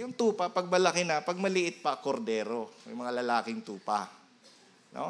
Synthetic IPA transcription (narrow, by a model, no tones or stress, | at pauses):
jʊŋt̪uːpɐpɐɡ̚bɐlɐkɪnɐpɐɡ̚mɐlɪʔɪt̪̚pɐkoɾd̪ɛːɾomɛ̰jmɐŋalɐlaːkɪŋt̪uːpa̰ | no̰